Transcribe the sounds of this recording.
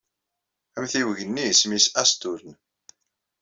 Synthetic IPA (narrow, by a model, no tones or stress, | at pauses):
æmθiwəʝənːismisæst̪uɾən